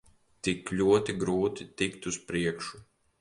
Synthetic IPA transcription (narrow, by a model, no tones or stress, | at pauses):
t̪iklʲuɔt̪iɡɾuːt̪it̪ikt̪uspɾiɛkʃu